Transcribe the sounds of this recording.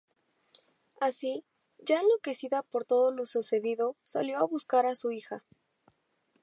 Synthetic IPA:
asi | ʝaenlo̞ke̞siðapo̞ɾt̪o̞ðolo̞suse̞ðiðo̞saljo̞aβuskaɾasuixa

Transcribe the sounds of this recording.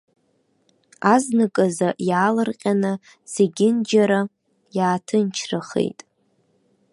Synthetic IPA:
aznɨkʼazajaːlɨrqʲʼanɨ | z̥eɡʲɪnd͡ʒaɾa | jaːtʰɨnt͡ʃʰraχḛjtʼ

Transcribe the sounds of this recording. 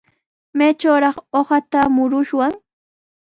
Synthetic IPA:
majt͡ʃawɾɑχoχat̪amʊɾʊʃwaŋ

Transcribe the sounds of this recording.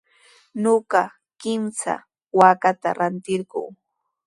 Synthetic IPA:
ɲoɢɑ | kɪmsa̰ | wakat̪a̰ɾant̪ɪɾɢʊ̰ː

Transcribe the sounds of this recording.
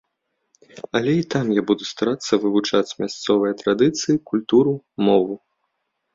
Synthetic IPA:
ɐlʲɛit̪amjabud̪ust̪aɾat̪sːɐvɨvut͡ʂat͡sʲmʲast̪sɔvɨjɐt̪ɾad̪ɨt̪sɨjikulʲt̪uɾu | mɔvu

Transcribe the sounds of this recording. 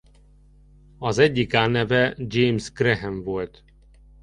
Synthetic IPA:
ɒzɛɟːikaːnɛvɛd͡ʒeːmsɡrɛɦɛɱvolt̪

